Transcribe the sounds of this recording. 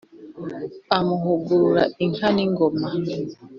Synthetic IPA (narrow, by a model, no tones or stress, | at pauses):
amʊɦʊɡoɾa̰iŋ̩haniŋ̩ɡɔma